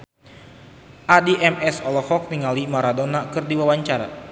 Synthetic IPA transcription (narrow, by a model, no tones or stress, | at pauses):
ʔadiʔɛmɛsɔlɔhɔk̚niŋalimaɾadonakɨrdiwawaɲt͡ʃaɾa̰